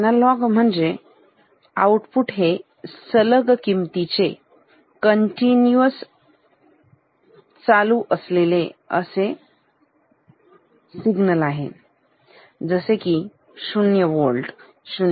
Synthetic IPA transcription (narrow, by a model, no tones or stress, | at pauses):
nalɔɡm̤əɳd͡ze | a̰wʈpuʈɦe | sələɡkimt̪it͡se | kəɳʈinjuəs | t͡saluʔəsleleə̰se | siɡnəlaɦḛ | d͡zəseki | sunjəʋolɖ | ɕun